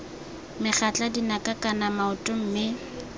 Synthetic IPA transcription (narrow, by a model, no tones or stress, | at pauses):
mɪχat͡ɬʼadinakʼakʼanamaʊtʼʊm̩mɪ